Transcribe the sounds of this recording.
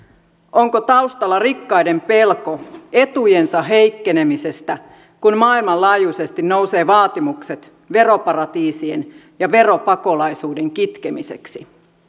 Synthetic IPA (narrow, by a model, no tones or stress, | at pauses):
ʔo̞ŋkot̪ɑuwst̪ɑlːɑrikːɑjde̞mpe̞lko̞e̞t̪uje̞nsɑɦe̞jkːe̞ne̞mise̞st̪æ | kunmɑːilmɑlɑːjuse̞st̪inno̞wse̞ːʋɑːt̪imukset̪ | ʋe̞ro̞pɑrɑt̪iːsien | jɑʋe̞ro̞pɑko̞lɑjsuːde̞ŋkit̪ke̞mise̞̰ksi